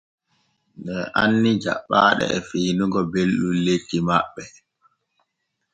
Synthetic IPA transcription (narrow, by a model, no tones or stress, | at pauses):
nɗɛʔanːid͡ʒa̰ɓːaːɗɛ̰ɛfiːnuɡɔbelɗunletːimaɓːɛ